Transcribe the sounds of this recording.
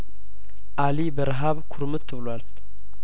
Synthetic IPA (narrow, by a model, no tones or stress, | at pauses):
ʔalibəɾɦaβkʰuɾmɨt̪ʰːɨβɨlwal